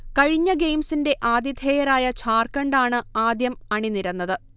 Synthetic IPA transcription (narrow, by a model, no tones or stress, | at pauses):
kɐɻiɲːɐɡejmsinde̞ʔaːd̪jid̪ʱeːjɐɾaːjɐt͡ɕʰaːrkɐɳɖaːɳɨaːd̪jɐmɐɳiniɾɐnːɐðɨ